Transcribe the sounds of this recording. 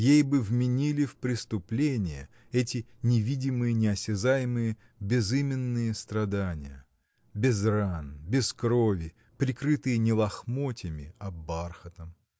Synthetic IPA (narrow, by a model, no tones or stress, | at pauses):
jejbɨvmʲɪnʲilʲɪfpɾʲɪst̪ʊplʲenʲɪjə | ɛtʲɪnʲɪvʲidʲɪmɨjənʲɪɐsʲɪzajɪmɨjə | bʲɪzɨmʲɪnːɨjəst̪ɾɐd̪anʲɪ̰jə̰ | bʲɪzranbʲɪskɾo̞vʲɪ | pɾʲɪkɾɨt̪ɨjənʲɪlˠɐxmotʲɪmʲɪ̰ɐbarxət̪əm